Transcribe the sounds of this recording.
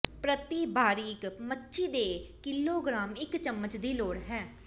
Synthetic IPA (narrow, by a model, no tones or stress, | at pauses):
pɾət̪iːbaːɾiːkmətːʃiːd̪eːkɪlːoːɡɾaːmɪkt͡ʃəmːət͡ʃd̪iːloːɽɦɛː